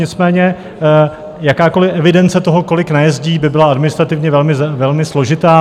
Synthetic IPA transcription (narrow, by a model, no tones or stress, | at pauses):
ɲɪt͡smɛːɲɛ | jakaːko̞lɪʔɛvɪdɛnt͡sɛt̪o̞ɦoko̞lɪknajɛzɟiːbɪbɪlaadmɪnɪst̪ɾat̪ɪvɲɛvɛlmɪvɛlmɪslo̞ʒɪt̪aː